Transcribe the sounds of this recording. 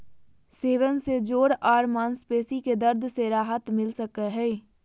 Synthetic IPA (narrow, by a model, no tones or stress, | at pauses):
seːʋənsed͡ʒoːɾaːɾmaːnspeːsiked̪əɾd̪ʱseɾaːɦət̪mɪlsəkəɦɛ